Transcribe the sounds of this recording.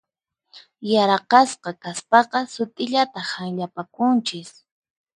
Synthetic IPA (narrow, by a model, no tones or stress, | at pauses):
jaɾqɑsqɑkaspɑqɑsʊt̪ʼɪʎat̪ahaŋʎapakʊnt͡ʃɪs